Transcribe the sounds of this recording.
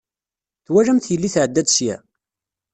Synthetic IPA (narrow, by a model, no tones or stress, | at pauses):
θwælæmθjəlːiθʕəd̪ːæd̪ʃjæ